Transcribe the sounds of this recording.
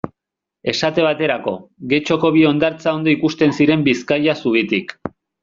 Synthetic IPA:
e̞sat̪e̞β̞at̪e̞ɾako̞ɣe̞t͡ʃo̞ko̞βio̞nd̪aɾt͡sao̞nd̪o̞ikust̪e̞nsiɾe̞mbiskajasuɣit̪ik

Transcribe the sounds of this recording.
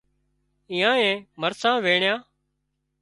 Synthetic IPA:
iːãːẽːməɾsãːʋeːɳɪjãː

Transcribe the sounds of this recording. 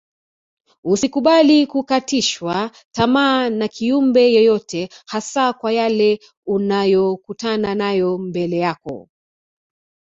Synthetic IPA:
usikuɓalikukatiʃwa | tamaːnakʰiumbɛjɔjɔtɛhasakwajalɛ | unajɔkutananajɔmbɛlɛjakɔ̰

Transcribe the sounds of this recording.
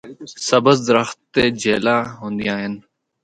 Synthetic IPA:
səbəzd̪ɾəxt̪ːeːd͡ʒeːlaːɦõːnd̪ijãːɦɪn

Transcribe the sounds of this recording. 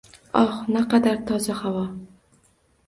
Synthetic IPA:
ɒχnaqɑd̪aɾt̪ʰɒzahavɒ

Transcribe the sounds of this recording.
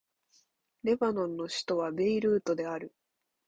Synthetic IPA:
ɾe̞banõ̞nːo̞ɕi̥t̪o̞β̞abe̞iɾɯ̟ːt̪o̞d̪e̞aɾɯ̟

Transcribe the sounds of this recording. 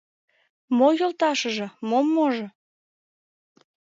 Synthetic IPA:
mojolt̪ɑʃəʒĕmomːoʒɤ̆

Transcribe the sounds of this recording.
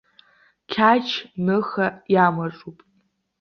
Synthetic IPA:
kʲʰat͡ʃʰnɨxajamaʈ͡ʂʼupʼ

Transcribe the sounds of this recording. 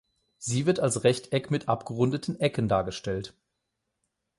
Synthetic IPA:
z̥iːvɪɐtalsʁɛçtʰʔɛkmɪtʔapɡ̥əʁʊndətʰn̩ʔɛkən̩daːɐɡəʃtɛlt

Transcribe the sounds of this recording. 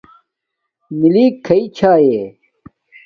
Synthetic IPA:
miliːkʰːɐit͡ɕʰaːje

